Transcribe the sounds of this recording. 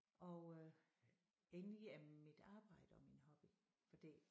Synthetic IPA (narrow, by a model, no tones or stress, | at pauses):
ʔɒ | enliæmid̥ɑ̈ːb̥ɑ̈ɪ̰d̥əɒ̽minɦɒ̽b̥i | fɒd̥ḛ